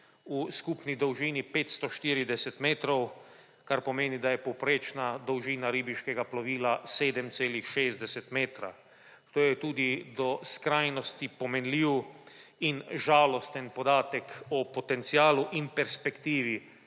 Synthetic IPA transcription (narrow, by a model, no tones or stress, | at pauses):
uskupnid̪ɔwʒiːnipeːt̪st̪ɔʃt̪iːɾid̪ɛsɛt̪meːt̪ɾɔw | kaɾpɔmeːnid̪ajɛpɔwpɾeːt͡ʃnad̪ɔwʒiːnaɾiːbiʃkɛɡaplɔʋiːlaseːd̪ɛmt̪seːlixʃeːzd̪ɛsɛt̪meːt̪ɾa̰ | t̪oːjɛt̪uːd̪id̪ɔskɾajnɔst̪ipɔmɛnliːwinʒaːlɔst̪ɛnpɔd̪aːt̪ɛkɔpɔt̪ɛnt̪siaːluʔinpɛɾspɛkt̪iːʋi